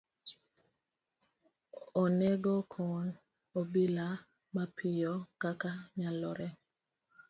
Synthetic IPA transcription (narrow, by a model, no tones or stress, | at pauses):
onɛɡokʰɔn | obila | mapʰɪjɔkakaɲalɔɾɛ